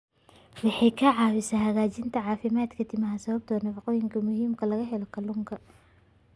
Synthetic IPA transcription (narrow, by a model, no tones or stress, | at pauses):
wɑħɑjkʰɐʕɑːwɪsɐhɐɣaːt͡ʃɪnt̪ʰɐʕɑːfɪmaːd̪kʰɐt̪ʰɪmɐɦɐsɐβɐb̚t̪ʰɔːnɐfɑqɔːjɪŋkʰɐmʊɦiːmkʰɐlɐɣɐɦɛlɔkʰɐlʊŋkʰɐ